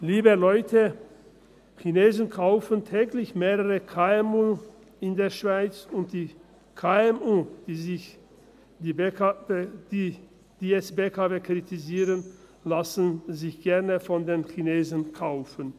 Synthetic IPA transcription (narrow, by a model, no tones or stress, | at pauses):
liːbəlɔʏtʰə | çineːzn̩kʰaʊfəntʰɛːɡlɪçmeːʁəʁəkʰaɛmuː | ɪndeːɐʃv̥aɪt͡sʊnt̚d̥iː | kʰaːɛmuːd̥zɪ | daed̥iː | d̥iːɛsbekʰaveːkʁ̥itʰiziːʁən | lasənzɪçɡ̥ɛɐnəfɔndeːnçineːzən̩kʰaʊfən